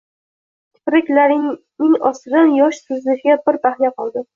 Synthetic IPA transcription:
t̪ʰɪ̥pɾɪkʲlaɾɪ | nɪŋɒsɪɾanjɒʃsɪzlɪʃɪɡʲabɪɾbʰahnjaqɒlˠd̪ɪ

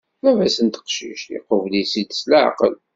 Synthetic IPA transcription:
mævæsənt̪ə̥qʃḭʃjɪ̰qəvlisid̪slaʕ̰qə̰l

